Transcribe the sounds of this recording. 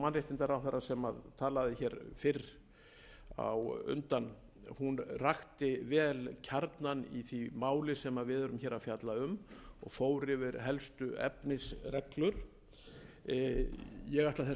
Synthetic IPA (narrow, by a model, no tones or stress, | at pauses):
manrjeht̪ɪnt̪aɾawθarːasɛmaðt̪ʰaːlaðɪçɛɾfɪɾ | a̰wʏ̰nt̪anː | hunraxt̪ɪvɛːlcʰaɾt̪nanḭθimaːwlɪsɛmaðvɪðœɾʏmçɛːɾafjat̪laʏmɔɣfoːwɾɪvɪɾɦɛlst̪ʏɛ̰pnɪsrɛklʏɾ̥ | jɛɣaht̪laθɛ